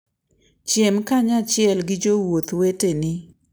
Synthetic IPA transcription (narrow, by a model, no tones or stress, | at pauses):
t͡ʃjemkaɲat͡ʃɪɛlɡɪd͡ʒowot̪wetenɪ